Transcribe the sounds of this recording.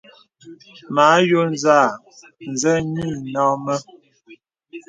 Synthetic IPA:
ma˨˦jo˦nza˦˨ | n̩˨zɛ˦mi˦˨nɔ˦mə˦

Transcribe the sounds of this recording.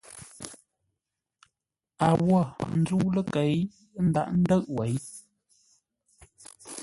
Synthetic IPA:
a˨wɔ˦˨n̩˦zu˦lə˦ke˨˦j | n̩˦da̰˦˨ʔn̩˦də˦˨ʔwe˨˦j

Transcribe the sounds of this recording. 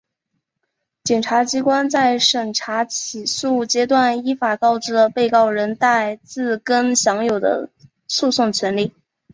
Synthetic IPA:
t͡ɕjɛ˨˩nʈ͡ʂʰa˧˥t͡ɕi˥kwa˥nt͡sa˥˩ɪʂə˨˩ŋʈ͡ʂʰa˧˥t͡ɕʰi˨˩su˥˩t͡ɕjɛ˥t̪̬wa˥˩ni˥fa˨˩kɑ˥˧ʊʈ͡ʂɻ̩˥ə˧pe˥˧ɪkɑ˥˩ʊɻə˧˥nt̪a˥˧ɪt͡sɹ̩˥˩kə˥nɕjɑ˧˥ŋjo˨˩ʊd̪ə̰˦ | su˥˧sʊ˥˩ŋt͡ɕʰɥɛ˧˥nli˥˩

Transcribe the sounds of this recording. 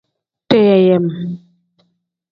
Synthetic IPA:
tɛ˦ja˨jɛ˨m

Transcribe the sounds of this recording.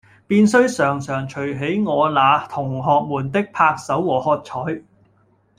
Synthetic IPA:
piː˧nsɵ˥ɥsœː˨˩ŋsœː˨˩ŋt͡ʃʰɵ˨˩ɦe˨˥jŋɔː˨˧laː˨˧t̪ʰʊ˨˩ŋɦɔː˨k̚muː˨˩nt̪ɪ˥k̚pʰaː˧k̚sɐ˨˥wwɔː˨˩hɔː˧t̚t͡ʃʰɔː˨˥j

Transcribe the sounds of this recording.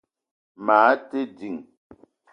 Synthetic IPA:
maː˨˦te˦di˨ŋ

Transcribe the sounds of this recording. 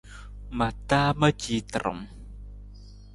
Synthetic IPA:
ma˨t̪a˦mə˦t͡ʃi˧t̪ɾɔ̰˨m

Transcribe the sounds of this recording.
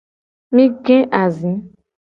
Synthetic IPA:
mĩ˦ɡɛ̃˦ʔa˨zĩ˨˦

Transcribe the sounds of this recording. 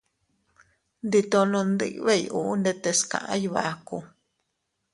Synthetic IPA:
nd̪i˧t̪õ˧nũ˧nd̪ḭ˦˧ʔβe˦˨jʔu˨˧ʔnd̪e˧t̪e˧skã̰˨ʔã̰˦jβa˧ku˧

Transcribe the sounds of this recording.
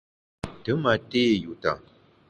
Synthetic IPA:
tɨ˨˦ma˨te˦˨ju˨ta̰˨

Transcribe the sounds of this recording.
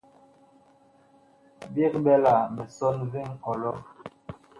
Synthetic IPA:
bi˦kbɛ˦la˨mɛ˨sɔ˦nvi˦ŋ̩˦kɔ˨lɔ˦

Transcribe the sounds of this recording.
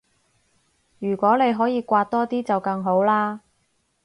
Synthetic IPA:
jyː˨˩kʷɔː˨˥ne˨˧jɦɔː˨˥jiː˨˧kʷaː˧t̚t̪ːɔː˥t̪iː˥t͡sɐ˨wkɐ˧ŋɦo˨˥wlaː˥

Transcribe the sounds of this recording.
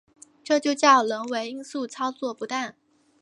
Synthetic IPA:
ʈ͡ʂɤ˥˧t͡ɕjo˥˧ʊt͡ɕjɑ˥˩ʊlə˧˥ŋwe˧˥ɪi˥ŋsu˥˩t͡sʰɑ˥ʊt͡swɔ˥˩pu˧˥t̪a˥˩n

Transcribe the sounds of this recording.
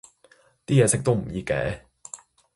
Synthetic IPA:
t̪iː˥jɛː˨˧sɪ˨k̚t̪o˥wm̩˨˩jiː˧kɛ̰ː˨˥

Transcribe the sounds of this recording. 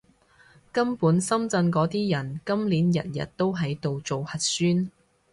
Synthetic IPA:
kɐ˥mpuː˨˥nsɐ˥mt͡sɐ˧nkɔː˨˥t̪iː˥jɐ˨˩nkɐ˥mliː˨˥njɐ̰˨t̚jɐ̰˨t̚t̪o˥wɦɐ˨˥jt̪o˨wt͡so˨whɐ˨t̚syː˥n

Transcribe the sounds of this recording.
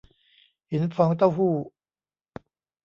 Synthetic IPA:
hi˨˦npʰɔː˨˦ŋt̪a˥˩wɦuː˥˩

